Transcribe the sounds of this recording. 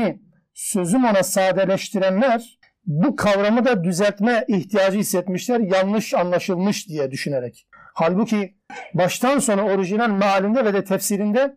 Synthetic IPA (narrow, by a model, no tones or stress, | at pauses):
i | sø̞zymo̞nasaːd̪ɛlʲɛʃt̪ʰiɾænlʲæɾ̥ | bukʰavɾamɯd̪ad̪yzɛlʲt̪mɛiçt̪ʰijaːd͡ʒɯisːɛt̪miʃlʲæɾjalˠnɯʃanlˠaʃɯlˠmɯʃd̪ijɛd̪yʃyneɾɛc | halʲbucʰi | baʃt̪ʰanso̞nɾao̞ɾiʒinanmaɦalʲind̪ɛvɛd̪ɛt̪ʰɛfsiɾind̪ɛ